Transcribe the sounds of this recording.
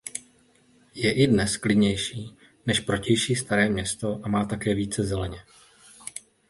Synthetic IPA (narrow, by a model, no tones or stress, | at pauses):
jɛʔɪdnɛsklɪdɲɛjʃiː | nɛʃpɾo̞cɛjʃiːst̪aɾɛːmɲɛst̪o̞ʔamaːt̪akɛːviːt͡sɛzɛlɛɲɛ